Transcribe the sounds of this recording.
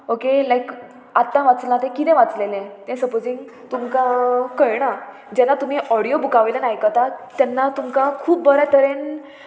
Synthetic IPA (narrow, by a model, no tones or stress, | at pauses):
okelajk | at̪ːãʋat͡slãt̪ɛ̃kit̪ɛ̃ʋat͡slelɛ̃t̪ɛ̃səpod͡zĩŋɡ | t̪umkãkəjɽ̃a | d͡ʑɛnat̪um̤iʔɔɽijobʱukaʋejlanajkət̪at̪janːat̪umkãkʰuːp̚ːəɾɛt̪ʰəɾen